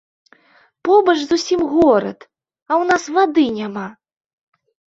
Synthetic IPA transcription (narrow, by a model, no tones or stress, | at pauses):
pɔbɐʂzusʲimɣɔɾɐ̰t̪ | ɐwnasvad̪ɨnʲama